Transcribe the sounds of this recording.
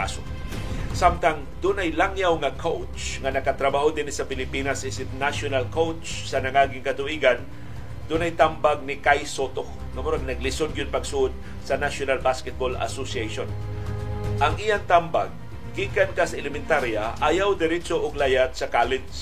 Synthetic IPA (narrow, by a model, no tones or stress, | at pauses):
a̰so | samt̪aŋ | d̪ʊnɐjlaŋjawŋɐkʰowt͡ʃt͡ʃŋɐnɐkat̪ɾɐbaʔod̪ɪnɪsɐpɪlɪpinasʔɪsɪt̪̚naʃonalkowt͡ʃ | sɐnɐŋaɡɪŋkɐt̪ʊʔiːɡan | d̪ʊnɐjt̪ambaɡ̚nɪkajsot̪o | ŋɐmʊɾaɡ̚nɐɡ̚lɪsod̪̚ɡʊn̚pɐɡsuʔd̪̚ | sɐnaʃjonalbaskɛt̪̚bola̰sosiejʃon | ʔɐŋʔijaŋt̪ambaɡ̚ː | iʔkankasɐʔɛlɛmɪnt̪aɾjaʔajawd̪ɛɾɛt͡ʃoʔʊɡlajat̪̚sɐkaːlɪt̪s